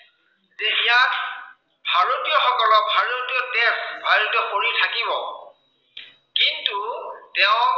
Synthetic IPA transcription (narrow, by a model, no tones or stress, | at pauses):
zeijat | bʱaɹotijɔxɔkɔlɔk̚bʱaɹotiɔtɛsbʱaɹotɔxoɹitʰakibɔ | kintutɛʊ̃